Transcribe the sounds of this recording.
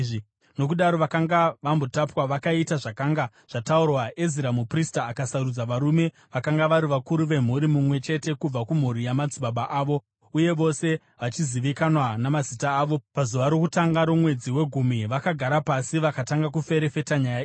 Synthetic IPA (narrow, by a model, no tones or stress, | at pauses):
ʐi | no̞k̬uɗaɾo̞ʋakaŋɡaʋambo̞tapwaʋakaitaʐakaːŋɡa | ʐ̥ataurwaʔe̞ziɾamupristaːkasaɾud͡zaʋaɾume̞ | ʋakaŋɡaʋaɾiʋakuɾuʋe̞m̤uɾimumwe̞t͡ʃe̞te̞kub͡vakum̤uɾijamad͡ziɓaɓaʔaːʋo̞ | uje̞ʋo̞se̞ | ʋat͡ʃiziʋikanwanamazitaːʋo̞pazuʋaɾo̞kutaŋɡaɾomwe̞d͡ziwe̞ɡʱumiʋakaɡʱaɾapasiʋakataŋɡak̬ufe̞ɾe̞fe̞taɲaja